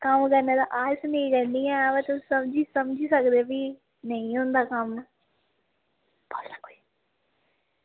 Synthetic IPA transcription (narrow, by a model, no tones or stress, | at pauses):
kəmkəɾneːd̪aːʔaːsneːɡɛnd̪iːɛ̃ːʋeːt̪ʊsəmd͡ʒiːsəmd͡ʒiːsəkd̪eːbiː | nəĩːɦʊ̃nd̪aːkəm | bolnaːkoːi